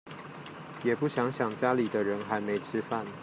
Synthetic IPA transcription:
jɛ˨˩pu˥˩ɕjɑ˧˥ŋɕjɑ˨˩ŋt͡ɕja˥li˨˩d̪ə˦ɻə˧˦nxa˧˥ɪme˧˥ɪʈ͡ʂʰɻ̩˥fa˥˩˨n

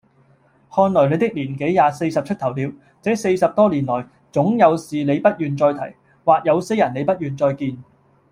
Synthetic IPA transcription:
hɔː˧nlɔː˨˩jle˨˧jt̪ɪ˥k̚liː˨˩nke˨˥jjaː˨se˧jsɐ˨p̚t͡ʃʰɵ˥t̚t̪ʰɐ˨˩wliː˨˧w | t͡sɛː˨˥se˧jsɐ˨p̚t̪ɔː˥liː˨˩nlɔː˨˩j | t͡sʊ˨˥ŋjɐ˨˧wsiː˨nle˨˧jpɐ˥t̚jyː˨nt͡sɔː˧jt̪ʰɐ˨˩j | waː˨k̚jɐ˨˧wse˥jɐ˨˩ne˨˧jpɐ˥t̚jyː˨˩nt͡sɔː˧jkiː˧n

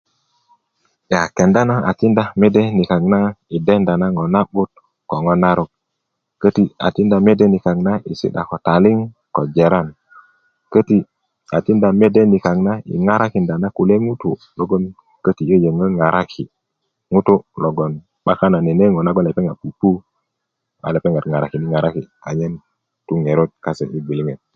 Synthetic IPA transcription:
ja˨ke˨nda˦na˦ʔa̰˨ti˦nda˦me˦de˦ni˨ka˨ɡna˦i˨de˦nda˨na˦ŋo˨na˦ɓu˦t̚ | ko˨ŋo˦na˦ɾu˦k̚ | kə˦ti˦a̰˨ti˦nda˨me˦de˦ni˨ka˨ɡna˦i˨sḭ˦ɗa̰˨ko˨ta˨li˦ŋ | ko˨d͡ʒe˨ɾa˦n | kə˦ti˦ | a˨ti˦nda˨me˦de˦ni˨ka˨ŋna˦ḭ˨ŋa˦ɾa˦ki˨nda˨na˦ku˨le˦ŋu˦tu˨ | lo˦ɡo˦n | kə˦ti˨jə˦je˨ŋə˦ŋa˨ɾʔa˦kʰi˨ | ŋu˦tu˦lo˨ɡo˨n | ɓa˦ka˦na˨ni˨ne˦ŋo˨na˦ɡo˦nle˨pe˦ŋɡa˨pu˨pu˦ | a̰˨le˨pe˦ŋa˨tŋa˨ɾa̰˨ki˨ni˦ŋa˨ɾa˦ki˨ka˨ɲe˦n | tu˦ŋe˨ɾo˦t̚ka˦sḛ˨ʔi˦bi˨li˦ŋe˨t̚

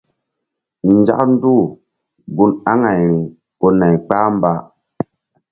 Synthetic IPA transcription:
n˨d͡ʒa̰˦kn̩˦du˦ | ɡu˦na˦ŋa˨j | ko˨na˨jk͡pa˦m˦ba˦˨

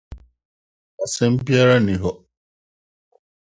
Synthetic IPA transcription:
a˨sɛ̃˦m˦bi˦a˦ɾa˦nĩ˨ɦɔ˨

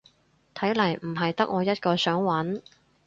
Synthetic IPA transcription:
t̪ʰɐ˨˥jlɐ˨˩jm̩˨˩ɦɐ˨jt̪ɐ˥k̚ŋʔɔː˨˧jɐ˥t̚kɔː˧sœː˨˥ŋwɐ˨˥n

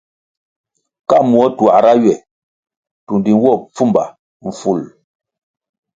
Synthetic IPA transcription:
ka˦˨mwɔ˦twa˨ʔɾa˦ɥɛ˨ | tu˨ndi˨n˦wɔ˦˨p͡fu˦mba̰˨ | ɱ̩˨fu˦˨l

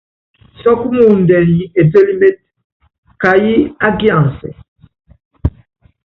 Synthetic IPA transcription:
sɔ˦ku˦mu˦˨n̩˨dɛ˨n˨ji˨˦e˨be˦li˦me˦t̚ | ka˨ji˦a˦ɡi˦ã˨n˨sɛ̰˨

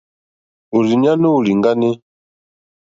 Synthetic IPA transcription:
u˨li˨ɲa˦no˦u˨li˨ŋɡa˦ne˦

